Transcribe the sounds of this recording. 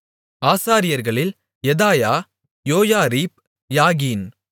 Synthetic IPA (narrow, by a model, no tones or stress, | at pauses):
aːsaːɾɪjɐɾɣɐɭɪl | jɛðaːjaː | joːjaːɾiːp̚ | jaːɣiːn